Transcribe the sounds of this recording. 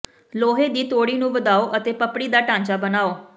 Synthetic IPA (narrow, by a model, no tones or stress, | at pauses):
loːɦeːd̪iːt̪oːɽiːnũːʋəd̪aːoːʔət̪eːpəpɽiːd̪aːʈãːɲt͡ʃaːbənaːoː